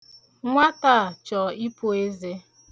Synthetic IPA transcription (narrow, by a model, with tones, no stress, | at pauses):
ŋʷa˦ta˦˨t͡ʃɔ˨i˦pu˦e˦ze˦